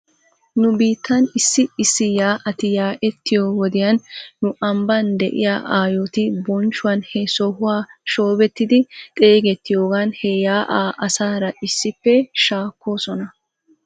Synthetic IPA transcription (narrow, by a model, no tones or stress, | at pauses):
nʊbiːt̪ːɐnɪsːɪɪsːɪjaːʔɐt̪ɪjaːʔɛt̪ːɪjowɔd̪ɪjɐnːʊʔɐmbɐnd̪ɛ̰ʔɪ̰jaːʔaːjot̪ɪbɔnt͡ʃːʊwɐnhɛsɔhʊwaːʃo̞ːbɛt̪ːɪd̪ɪt̪ʼeːɡɛt̪ːɪjoːɡanhɛjaːʔaːʔɐsaːɾɐʔɪsːɪpːɛʃaːkːo̞ːsɔnɐ